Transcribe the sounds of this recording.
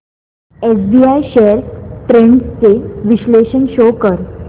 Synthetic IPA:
esbiajɕeəɾʈɾeɳɖst͡seʋiɕleɕənɕokəɾ

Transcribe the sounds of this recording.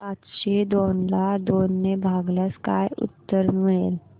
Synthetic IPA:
atɕed̪onlad̪onːebʱaɡlaskajʊ̰t̪ːəɾmel

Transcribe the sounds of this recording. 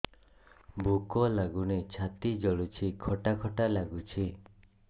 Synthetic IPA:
bukɔlaɡunet͡ʃʰat̪id͡ʒɔɭut͡ʃʰikʰɔʈakʰɔʈalaɡut͡ʃʰi

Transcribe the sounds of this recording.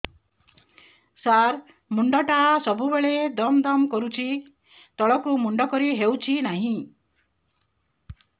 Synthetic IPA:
saɾ | muɳɖɔʈasɔbʱubeɭed̪ɔmd̪ɔmkɔɾut͡ʃʰi | t̪ɔɭɔkumuɳɖɔkɔɾiɦewt͡ʃʰinaɦĩ

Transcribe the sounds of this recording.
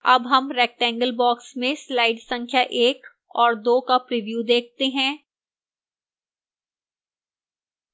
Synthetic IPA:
ɐ̰bɦɐmɾɛːk̚ʈɛ̃ːŋɡəlbɔːksmẽslaːɪɖsɐ̃ŋkʰjaʔeːk | ɔːɾd̪oːkapɾɪʋjuːd̪eːk̚ʰt̪eɦɛ̃ː

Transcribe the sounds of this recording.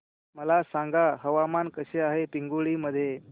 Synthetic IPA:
məlasaŋɡaɦəʋamankəɕeaɦepiŋɡuɭiːməd̪ʱːje

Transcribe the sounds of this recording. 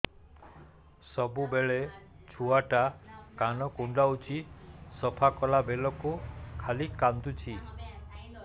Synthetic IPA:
sɔbubeɭe | t͡ʃʰuaʈakanɔkuɳɖaut͡ʃʰisɔpʰakɔlabelɔkukʰalikant̪ut͡ʃʰi

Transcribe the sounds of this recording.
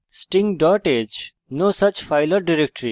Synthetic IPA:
sʈɪ̃ŋɡɖɔɾʈed͡ʒ | noːsʌt͡ʃfaɪləɾɖiɾek̚ʈəɾi

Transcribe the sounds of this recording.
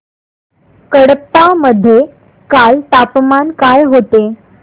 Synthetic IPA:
kəɽəpːaməd̪ʱːje | kalt̪apmankajɦot̪e

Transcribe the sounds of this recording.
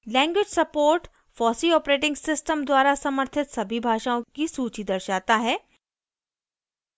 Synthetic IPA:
lɛ̃ːŋɡwɪd͡ʒsɐpoːɾʈ | fɔːsiɔːpɾeːʈ̬ɪ̃ŋɡsɪsʈəmd̪waːɾasɐməɾt̪ʰɪt̪sɐbʱibʱaːʃaːõkisuːt͡ʃid̪ɐɾʃaːt̪aɦɛː

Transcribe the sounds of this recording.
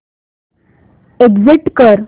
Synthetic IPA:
eɡziʈkəɾ

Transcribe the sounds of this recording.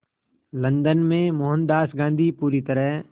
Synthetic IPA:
lə̃nd̪ənmẽmʊɦə̃nd̪aːsɡãːnd̪ʱiːpuːɾit̪əɾəɦ

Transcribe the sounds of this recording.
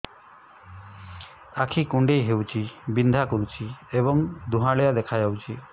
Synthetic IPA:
akʰikuɳɖejɦewt͡ʃʰibind̪ʱakɔɾut͡ʃʰieβɔŋd̪ʱuɦãɽejad̪ekʰad͡ʒawt͡ʃʰi

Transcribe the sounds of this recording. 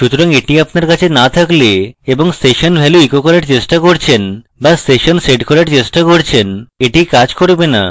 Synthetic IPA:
ʃut̪oɾaŋeʈiapnaɾkat͡ɕʰenat̪ʰakleeboŋsʈeʃonbʱɛloikokɔɾaɾt͡ɕeʃʈakoɾt͡ɕʰen | basʈeʃonseɖkoɾaɾt͡ɕeʃʈakoɾt͡ɕʰeneʈikad͡ʑkoɾbena̰

